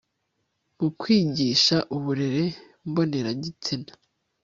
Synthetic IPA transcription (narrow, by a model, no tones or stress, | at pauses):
mukwiːɟiːʃaʔuβuɾe̞ɾe̞ | mbo̞ne̞ɾaɟit͡sinḁ